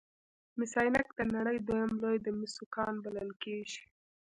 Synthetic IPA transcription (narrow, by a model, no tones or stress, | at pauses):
mɪsɑjnakd̪̥ənaɽəjd̪wojamlojd̪əmɪsukɑnbaləlkeʒi̥